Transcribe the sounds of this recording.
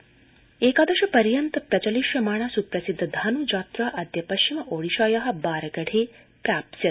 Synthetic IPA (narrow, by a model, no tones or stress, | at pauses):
eːkaːd̪ɐʃɐpɐɾjɐnt̪ɐpɾɐt͡ʃɐliʃjɐmaːɳasupɾɐsid̪ʱːd̪ʱaːnud͡ʒaːt̪ɾaːʔɐd̪ʱjɐpɐʃt͡ʃimɐʔoːɽiʃaːjaɦɐ̆baːɾɐɡɐɽʱeː | pɾaːpsjɐt̪